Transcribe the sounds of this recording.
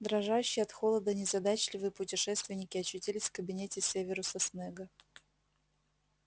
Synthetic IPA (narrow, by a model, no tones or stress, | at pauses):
d̪ɾɐʐajʉɕːɪjɐt̪xolˠəd̪ənʲɪzɐd̪at͡ɕlʲɪvɨjəpʊtʲɪʂɛst̪vʲɪnʲɪkʲɪɐt͡ɕːʊtʲilʲɪsʲfkəbʲɪnʲetʲɪsʲevʲɪɾʊsɐsnɛɡə